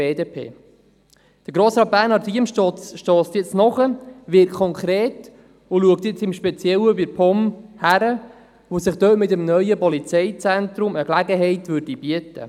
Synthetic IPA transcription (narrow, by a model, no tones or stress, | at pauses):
eːdeːpʰḛː | d̥əɾɡɾoːsɾɑːt̚b̥æːnɑtiəmʃtɔt͡sʃtɔːstjɛt͡snɔχəvɪɾkʰːɔŋkɾeːt | ʊluək̚t̪jɛt͡sɪmʃpɛt͡sjɛləvɪɾpʰɔmhæɾə | vosɪχd̪̥øːtmɪtəmnœʏəpɔlit͡sɛɪt͡sɛntɾʊməklæɡəɦɛɪtvʏɾdib̥iətə̰